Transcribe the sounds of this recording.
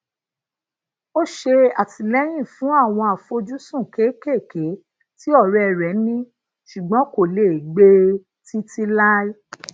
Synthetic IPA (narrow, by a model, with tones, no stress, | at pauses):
o˦ʃe˧a˨ti˧lɛ˦j̃ĩ˦˨fũ˨˦a˦˨w̃ɔ̃˧a˨fo˧d͡ʒu˦sũ˦˨ke˨˦ke˦˨ke˨˦ | ti˦ɔ˦˨ɾɛ˦ɛ˨ɾɛ˨˦nĩ˦ | ʃu˨ɡ͡bɔ̃˨˦ko˦˨le˨i˨ɡ͡be˦˧ | ti˦ti˦la˦i˦